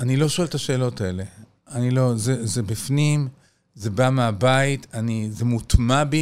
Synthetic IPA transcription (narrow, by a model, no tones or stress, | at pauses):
anilo̞ʃoe̞lt̪aʃe̞ːlo̞tae̞le̞ | anilo̞zezebifnim | ze̞bameabaitʰanizemutmabi